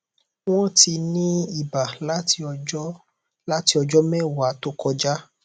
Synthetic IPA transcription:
w̃ɔ̃˦ti˧nĩ˦i˨ba˨l | la˦ti˧ɔ˧d͡ʒɔ˦mɛ̃˦˨wa˨˦to˦kɔ˧d͡ʒa˦

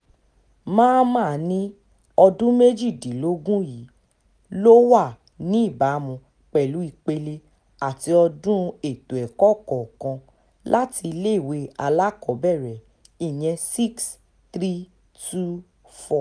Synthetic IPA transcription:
mãː˦mãː˦˨nĩ˦ | ɔ˧dũ˦me˦d͡ʒi˦˨dĩ˨lo˨˦ɡũ˦ji˨˦ | lo˦wa˦˨ | nĩ˦i˦˨ba˨˦mũ˧ | k͡pɛ˨lu˨˦i˧k͡pe˧le˧ | a˨ti˧ɔ˧dũ˦e˦˨tu˨ɛ˨kɔ˦˨kɔ˨kã˧ | lʔa˦ti˧le˦˨we˧˦a˧la˦kɔ˨˦bɛ˦˨ɾɛ˨ | i˨j̃ɛ̃˧si˦ks | tɾi˦ | tu˦ | fɔ˦˨

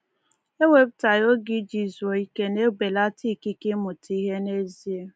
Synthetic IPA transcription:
e˦we˨bta˨jo˦ɡi˦d͡ʒi˨zu˨o˨i˦ke˦ne˦ɡ͡be˨la˦ti˦˨ki˦kɪ˦mʊ˨ti˦ɦe˦ne˦zi˦e˦

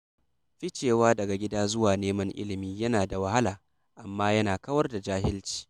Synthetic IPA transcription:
ɸi˦t͡ʃeː˨waː˦dɐ˨ɡa˨ɡʲɪ˦daː˦zʊ˦waː˨neː˦mɐ˦ŋʔɪ̰˦lɪ˨miː˦jɐ˦naː˨da˨wɐ˦ha˦laː˨ | ʔa˨mːaː˦jɐ˦naː˨kɐ˦wɐ˦rda˨d͡ʒaː˦ɦɪ˦lt͡ʃi̥ː˦

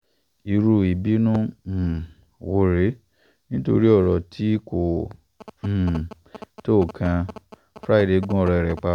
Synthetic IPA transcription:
i˧ɾu˧i˨bi˨˦nũ˦˨ | wo˧ɾe˨˦ | nĩ˦to̰˧ɾi˦ɔ˦˨ɾɔ˨tʰi˦kõ˨ | to˦˨kʰã˧˨ | fɾa˦i˦˨ɾe˧˦ɡũ˦ɔ˨ɾɛ˧˨ɾɛ˨k͡pa˧

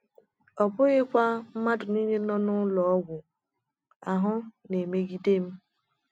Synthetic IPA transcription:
ɔ˨bʊ˦ɣɪ˦kʷa˦m̩˦ma˦dʊ˨ni˦ne˦nɔ˦nʊ˦lɔ˨ɔ˦ɡʷʊ˨ | a˨ɦʊ˦ne˨me˦ɡi˦de˦m̩˦

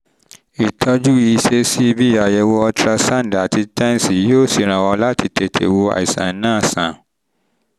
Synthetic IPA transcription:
i˨tʰɔ˦d͡ʒu˦i˧ʃe˦si˦i˧bi˦ja˨jɛ˧wo˦ɔ˧tɾa˧sã˦n˨da˨ti˧tɛ̃˦n˨si˨˦jo˦˨si˨ɾ̃ã˨wɔ˧la˦ti˧te˨tʰḛ˨wo˧a̰˨i˨sã̰˨˦nãː˦˨sã˨

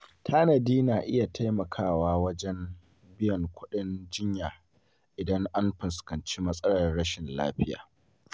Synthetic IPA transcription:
tʰaː˦nɐ˨diː˦naː˨ʔɪ˦ja˨tʰa˦jmɐ˨kʰaː˦˨waː˦wɐ˦d͡ʒɛ˦m | bɪ˦jɐ˨ŋkʷʰʊ˦ɗɪ˦nd͡ʒɪ˦ɲjaː˨ | ʔɪ˨dɐ˦ŋʔa˦mɸɪ˨skɐ˨nt͡ʃiː˦mɐ˦sʼɐ˦ɽɐ˨rɽɐ˦ʃɪ˨nla̰ː˦ɸɪ˦ja̰ː˨

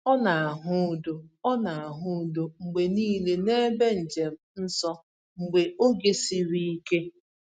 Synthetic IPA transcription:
ɔ˦na˨a˨ɦʊ˦do˨ɔ˦na˨a˨ɦʊ˦do˨ŋ͡m̩˨ɡ͡be˨niː˦le˨ne˦be˦n̩˨d͡ʒe˨m̩˦n̩˦sɔ˦ | ŋ͡m̩˨ɡ͡be˨o˦ɡe˨si˦ɾi˦i˦ke˦

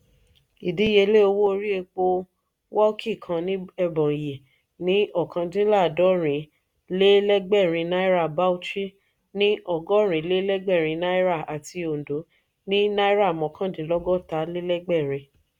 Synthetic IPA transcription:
i˨di˨˦je˧˦le˦o˧wo˦o˧ɾi˦e˧k͡po˧ | wɔ˦ki˦˨kʰã˧nĩ˦ɛ˧bɔ̃˨je˨ | nĩ˨˦ɔ˨kã˧dĩ˦la˦˨dɔ˨˦ɾ̃ĩ˨˦ | le˦lɛ˦ɡ͡bɛ˦˨ɾ̃ĩ˧na˦i˦ɾa˦˨ba˦u˦ti˦ | nĩ˦ɔ˨ɡɔ˦ɾ̃ĩ˨˦le˦lɛ˦ɡ͡bɛ˦˨ɾ̃ĩ˧˦na˦i˦ɾa˦˨a˨ti˧o˨n˨do˨˦ | nĩ˦na˦i˦ɾa˦˨mɔ̃˨˦kʰã˦˨dĩ˨˦lɔ˦ɡɔ˦ta˨˦le˦lɛ˦ɡ͡bɛ˦˨ɾ̃ĩ˨˧

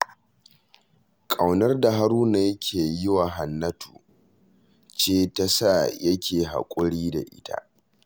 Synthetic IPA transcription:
kʼa˨wnɐ˦rda˨ɦa˦ɾuː˦na˨jɐ˦kʲʰeː˨jɪ˦wa˨ɦa˨nːɐ˦tʰuː˨ | t͡ʃeː˦ta˦sa˦˨jɐ˦kʲʰeː˨ɦa̰˨kʷʼʊ˦ɽiː˦da̰˨ʔɪ̰˦tʰa̰˦ʔ

